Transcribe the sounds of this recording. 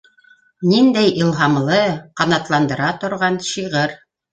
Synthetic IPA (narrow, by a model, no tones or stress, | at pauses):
nind̪æjʔilˠɦɑmlˠɤqɑnɑt̪lˠɑnd̪ɤ̆ɾɑt̪ŏɾʁɑnɕiʁɤɾ